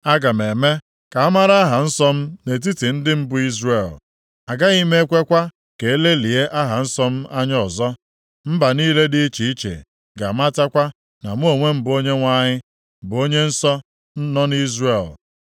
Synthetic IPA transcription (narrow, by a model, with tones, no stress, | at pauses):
a˦ɡa˨m˨e˨me˦ | ka˨a˦ma˦ɾa˦a˦ɦa˨n̩˦sɔ˦m̩˦ne˨t̬i˦ti˨n̩˦dɪ˦m̩˦bʊ˨˦i˦zre˨l | a˨ɡa˦i˦me˦kʷe˦kʷa˦ | ke˨e˦le˦li˨e˦ʔa˦ɦa˨n̩˦sɔ˦m̩˦a˦ɲ˦ɔ˨zɔ˦ | m̩˦ba˨niː˦le˦di˦i˦t͡ʃi˨i˦t͡ʃḛ˨ | ɡa˨m̩˦a˦ta˦kʷa˦ | na˨m̩˦o˨ŋʷe˦m̩˨bo˦ɲe˦ŋʷa˦ɲɪ˦ | m̩˨bʊ˨o˦ɲe˦n̩˦sɔ˦ | n̩˦nɔ˦n˦i˦zre˨l